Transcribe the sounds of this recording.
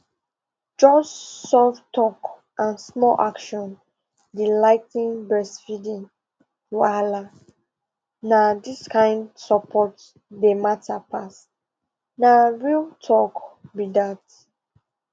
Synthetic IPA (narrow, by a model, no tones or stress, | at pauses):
d͡ʒɔsːɔvtʰɔk | ʔãnsmɔlʔakʃɔ̃n | dilaɪtnĩnbɛsfidĩŋ | wala | nadiskãɪ̃ndsɔpʰɔt | dəmatʰapʰas | naɹiltʰɔkbidat